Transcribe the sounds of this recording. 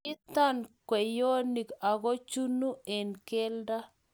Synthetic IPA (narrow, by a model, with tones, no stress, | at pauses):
ɪ˦t̪a˦˨nkwɛ˨jo˦ni˨ka˨ɣo˦t͡ʃu˦nu˦e˨nkɛ˦lda˦